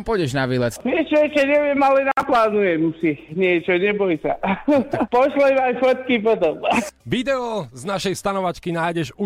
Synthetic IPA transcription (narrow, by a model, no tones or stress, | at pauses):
mpɔɟɛʒnaʋiːlɛt͡snɪɛt͡ʃɔɛt͡ʃɛɲɛʋɪɛmalɛnaplaːnujɛmsiɲɪɛt͡ʃɔɲɛbɔjsa̰ | pɔʃlɔimajfɔt̪kip̬ɔt̪ɔmʋid̪ɛɔznaʃɛjst̪anɔʋat͡ʃkinaːjɟɛʒu